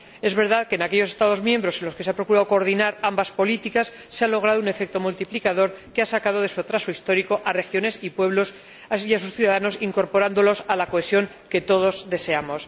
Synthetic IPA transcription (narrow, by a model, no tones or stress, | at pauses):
e̞zβe̞ɾð̞aðkeːnake̞ʎose̞st̪að̞o̞zmjẽ̞mbɾo̞se̞nlo̞ske̞s̬eapɾo̞kuɾaðokoːɾð̞inaɾambaspo̞lit̪ikasːe̞alo̞ɣ̞ɾaðoune̞fe̞k̚t̪o̞mult̪iplikaðo̞ɾkeasakað̞o̞ð̞e̞suat̪ɾaso̞ist̪o̞ɾiko̞ʔare̞xjo̞ne̞sipwe̞βlo̞s | aiasusθjuðaðano̞siŋko̞ɾpo̞ɾand̪o̞lo̞salako̞e̞sjo̞ŋ | ke̞t̪o̞ð̞o̞zðe̞se̞amo̞s